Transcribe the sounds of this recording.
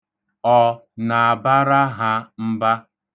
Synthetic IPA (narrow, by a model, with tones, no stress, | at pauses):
ɔ˨na˨a˨ba˦ɾa˦ɦa˦m̩˦ba˦